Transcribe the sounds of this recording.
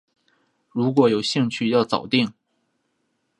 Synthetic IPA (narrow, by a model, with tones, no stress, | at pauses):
ɻu˧˥k̬wɔ˧˥jo˨˩ʊɕi˥˧ŋt͡ɕʰy˥˧jɑ˥˩ʊt͡sɑ̰˨˩ʊt̪i˥˩ŋ